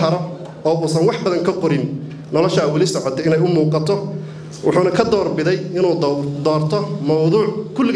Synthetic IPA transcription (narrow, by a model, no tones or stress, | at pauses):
ɐɾɔ | ɔːuːsɐnwɑħbɐðɐŋkʰɐqɔɾɪn | nɔlɔʃaːwɑlɪsɔʕɔt̪ʰɛɪnɛjʊmuːqɑt̪ʰɔ | wʔʊ̰ħuːnɐkʰɐd̪ɔːrbɪðɛjɪnuːd̪ɔːrt̪ʰɔmɐwðuːʕkʰʊl